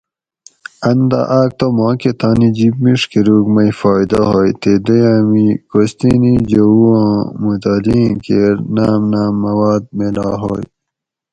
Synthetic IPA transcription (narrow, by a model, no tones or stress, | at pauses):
ɐnd̪ɐ̰ʔaːk̚t̪omɑ̃ːket̪aːnid͡ʑibmiʂkiɾuːkmɐjfɑːjd̪ɐɦoːjt̪ed̪ojaːmikost̪inid͡ʑowuãːmut̪aːlikeːɾnaːmnaːmːɐwaːd̪̚melaːɦo̰j